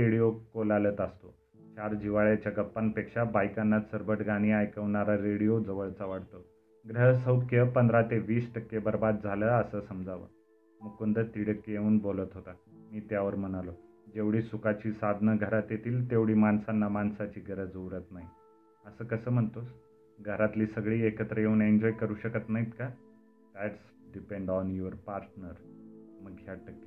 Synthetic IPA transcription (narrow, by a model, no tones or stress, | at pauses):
ɾeɽijokolalət̪əst̪o | t͡ɕaɾd͡ʑiʋaɭjat͡ɕjaɡəpːanpekʂabajkanːasəɾbʱəʈɡaɽ̃iajkəʋɳaɾaɾeɽijod͡zəʋəɭt͡saʋaɽt̪ə | ɡɾəɦsəwkʰjəpənd̪ɾat̪eʋiːsʈəkːebəɾbad̪̚d͡zʱaləːəsəːsəmd͡zʱaʋə̰ | mukund̪ət̪iɽəkjeuːnbolət̪ɦot̪amiːt̪jaʋəɾm̤ənalo | d͡ʑeʋɽiːsukat͡ɕiːsad̪ʱnəɡʱəɾat̪jet̪ʰiːlt̪eʋɽiːmansanːamansat͡ɕiːɡʱəɾəd͡zəʋɾət̪naɦi | əsəːkəsəːm̤əɳt̪os | ɡʱəɾat̪liːsəɡɭiːekət̪ɾəjeuːneɲd͡ʑɔjkəɾuːɕəkət̪naɦit̪ka | d̪̥æʈs | ɖipeɳɖɔnjuəɾpaɾʈnəɾməkʰːjaʈəkːe